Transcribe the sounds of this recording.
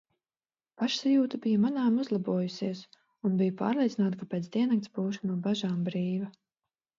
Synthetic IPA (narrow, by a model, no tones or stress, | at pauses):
paʃsajuːt̪abijamanaːmuzlˠabuɔjusiɛs | unbijupa̰ːɾlˠʲet̪sinaːt̪kapʲɛt̪sd̪ʲiɛnak̚t̪sbuːʃunuɔbaʒaːmbɾiːva